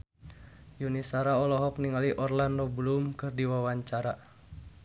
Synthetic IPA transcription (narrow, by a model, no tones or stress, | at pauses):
junisaɾaɔlɔɦɔk̚niŋaliʔɔrlandoblumkɨrdiwawaɲt͡ʃaɾa